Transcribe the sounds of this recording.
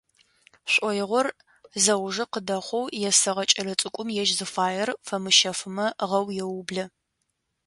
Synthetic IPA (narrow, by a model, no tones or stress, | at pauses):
ɕʷʼɔjɪʁʷɔr | zɐwʒɨqədɐχʷɔwjɛsɐʁɐt͡ʃʼɐlɐt͡sʼɨkʷʼʊmjɛʒzɨfaːjɛrfɐmɨʃɐfɨmɐʁɐwjɛwʊblɐ